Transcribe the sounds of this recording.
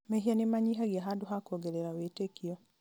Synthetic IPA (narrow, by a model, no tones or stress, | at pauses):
mɛɦianemaɲiɦaɣiaɦadoɦakoɡeɾeɾawetekiɔ